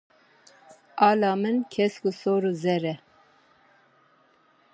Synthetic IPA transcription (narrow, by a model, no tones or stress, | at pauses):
ɑːlɑːmɨnkʰɛskusoːɾuzɛɾɛ